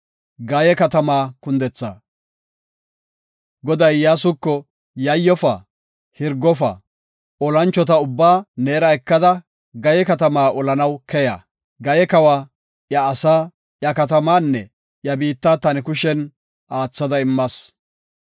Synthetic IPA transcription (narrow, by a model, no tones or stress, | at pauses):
ɡɐjɛkɐt̪ɐmaːkʊnd̪ɛt͡sːa | ɡɔd̪ɐjːaːsʊkːɔ | jɐjːɔfɐ | hɪɾɡɔfɐ̰ | ɔlɐnt͡ʃːɔt̪̬ɐʊbːaːneːɾɐɛkːɐd̪ɐ | ɡɐjɛkɐt̪ɐmaːʔɔlɐnɐwkɛja̰ː | ɡɐjɛkɐwa | jɐːsaː | jɐkɐt̪̬ɐmaːnːɛ | jɐbiːt̪ːaːt̪ɐnɛkʊʃɛn | ʔaːt͡sːɐd̪ɐɪmːɐs